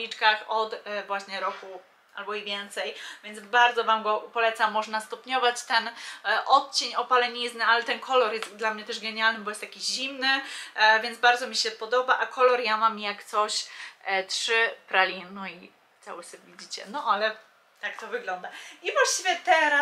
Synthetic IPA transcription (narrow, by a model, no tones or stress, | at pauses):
lʲit͡ʂkaxɔt̪vwaɕɲɛɾɔku | ʔalbɔivʲjɛnt̪sɛjvʲjɛnd̪zbaɾd̪zɔvamɡɔpɔlɛt̪samːɔʐnast̪ɔpɲɔvat͡ɕt̪ɛnʔɔt̪̚t͡ɕeɲɔpalɛɲiznɘalɛt̪ɛnkʰɔlɔɾjɛst̪d̪lamɲɛt̪ɛʐɡɛɲalnɘbɔjɛst̪jakʲiʑimnɘvʲjɛnd̪zbaɾd̪zɔmʲiɕɛpɔd̪ɔbaʔakʰɔlɔɾjamamjakt̪sɔɕtʂɘpɾalʲinui | t̪sa̰wɘsɛbvʲid͡ʑit͡ɕɛ̰nɔʔalɛ | t̪akt̪ɔvɘɡlɔnd̪aivwaɕt͡ɕivʲjɛt̪ɛɾa